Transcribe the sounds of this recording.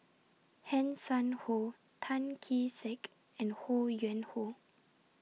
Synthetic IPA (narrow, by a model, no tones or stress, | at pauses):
hɛ̃nsãnho | tʰãnkʰisɛk | ɛ̃ndhojɛ̃nho